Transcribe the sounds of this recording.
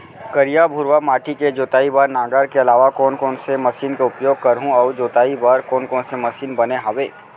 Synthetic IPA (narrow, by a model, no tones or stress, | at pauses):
kəɾijabʱʊɾʋamaːʈiked͡ʒoːt̪aːibaːɾnãːɡaːɾkeɐlaːʋakɔːnkɔːnsemɐsiːnkeʊpjoːɡ̚kɐɾɦũɔːd͡ʒoːt̪aːibaːɾkɔːnkɔːnsemɐsiːnbɐneɦãːʋeː